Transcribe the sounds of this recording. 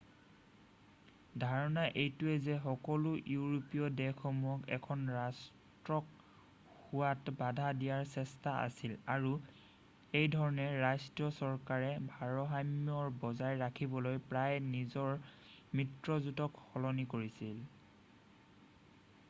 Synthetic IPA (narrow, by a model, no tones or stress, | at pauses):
dʱaɹɔnaʔejtʊɛzɛxɔkɔlujuɹopiɔdɛxʰɔmuɔkɛ̰kʰɔnɹas | tɹɔk | huwatbadʱadijaɹsɛstaa̰silaɹu | ejdʱɔɹɔnɛɹajstɹijɔsɔɹkaɹɛbʱaɹɔɦajmjɔɹbɔzajɹakʰibɔlojpɹajnizɔɹ | mɹitɹɔzutɔkxɔlɔnikoɹisil